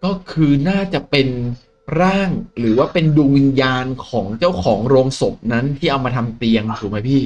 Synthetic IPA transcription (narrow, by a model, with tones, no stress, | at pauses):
kɔː˥˩kʰɯː˧naː˥˩t͡ɕa˨˩ʔpe˧n | ɾaː˥˩ŋɾɯː˩˦waː˥˩pe˧nduː˧ŋwi˧njaː˧nkʰɔː˩˦ŋt͡ɕa˥˩wkʰɔː˩˦ŋɾoː˧ŋso˨˩p̚na˦˥nt̪ʰiː˥˩ʔa˧wmaː˧t̪ʰa˧mt̪i˧əŋt̪ʰuː˨˩ma˦˥jpʰiː˥˩